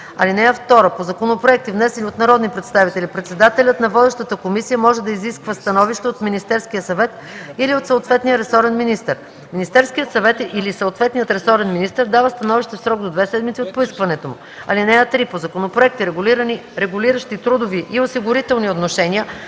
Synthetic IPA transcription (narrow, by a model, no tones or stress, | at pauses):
ɐ̰linɛəft̪ɔɾəpozɐkonopɾoɛk̚t̪ivnɛsɛniot̪nɐɾɔd̪nipɾɛt̪st̪avit̪ɛlipɾɛt̪sɛd̪at̪ɛlʲət̪nɐvɔd̪ɛʃt̪ət̪əkomisijəmɔʒɛd̪ɐiziskvəst̪ɐnɔviʃt̪ɛot̪minist̪ɛɾskijəsɐvɛt̪ | iliot̪səot̪vɛt̪nijəɾɛsɔɾɛnminist̪əɾ | minist̪ɛɾskiət̪sɐvɛt̪ilisɐot̪vɛt̪nijət̪ɾɛsɔɾɛnminist̪əɾd̪avəst̪ɐnɔviʃt̪ɛfsɾɔkd̪od̪vɛsɛd̪mit̪siot̪̚poiskvɐnɛt̪omʊ | ɐ̰linɛɛt̪ɾipozɐkonopɾoɛk̚t̪iɾɛɡʊliɾəniɾɛɡʊliɾəʃt̪it̪ɾud̪oviʔiosiɡʊɾit̪ɛlˠniot̪noʃɛnijə